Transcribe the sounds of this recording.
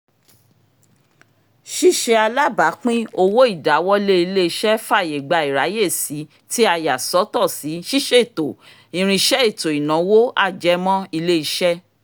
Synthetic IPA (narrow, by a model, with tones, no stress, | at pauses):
ʃi˦˨ʃe˧a˧la˦ba˨˦k͡pĩ˦o˧wo˦i˦˨da˨˦wɔ˦le˦i˧le˦i˧ʃɛ˦fa˦˨je˨ɡ͡ba˧i˨ɾa˨˦je˦˨si˨˦ | ti˦a˧ja˨sɔ˨˦tɔ˦˨si˨˦ʃi˦ʃe˦i˦˨to˨ | ĩ˨˧ɾ̃ĩ˧ʃɛ˦i˦˨to˨i˨nã˨˦wo˦a˦˨d͡ʒɛ˨˦mɔ̃˦i˧le˦i˧ʃɛ˦